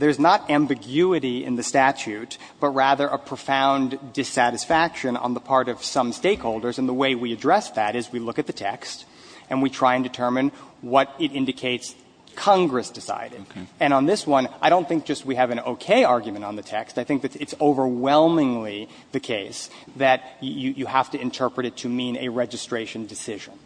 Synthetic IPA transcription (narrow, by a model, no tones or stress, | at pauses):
ðə˞znəɾæ̃mbɨɡjʉɨɾiɪ̰̃nðɨstæt͡ʃʉt̚ | b̥ʌt̚ɹæðə˞ʔəpʰɹ̥əfãʊ̃ndɨsæɾɨsfækʃɨ̃nə̰̃nðəpʰɑɹɾʌv̥sʌ̃msteɪkhoʊlˠdə˞zɨ̃nðəweɪwiɨdɹɛsðɨɾɨzwilʊkɨt̪̚ðɨtʰɛkst | ɨ̃nwitʰɹ̥aɪɨ̃ndɨtʰɜ˞mɨ̃nwʌɾɨɾɪ̃ndɨkʰeɪts | kʰɑ̃ŋɡɹɨsd̥ɨsa̰ɪɾɨɾɨ̃ñə̃nðɪswʌ̃naɪɾõʊ̃nθɪ̃ŋk̚d̥ʒ̥ʌst̚wiɨvɨ̃no̰ʊkʰeɪɑɹɡjmɨ̃ñn̩ðɨtʰɛkstaɪθɪ̃ŋk̚ðɨtsɨtsoʊvə˞wɛlˠmɪ̃ŋli | ðɨkʰeɪs | ðɨt͡ʃɨɨjɨhæftɨɨ̃ntʰɜ˞pɹɨɾɨtʰɨmĩnɨ̰ɹɛd͡ʒɨstɹ̥eɪʃɨ̃n̩dɨsɪʒɨ̃n